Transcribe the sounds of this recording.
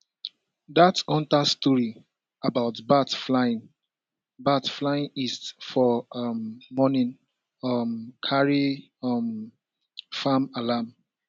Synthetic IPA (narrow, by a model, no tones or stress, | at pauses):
datɔ̃ntastɔɹi | abaʊtbatflaɪĩn | batflaĩnisfɔmːɔnĩn | amkʰaɹi | ʌm | famalam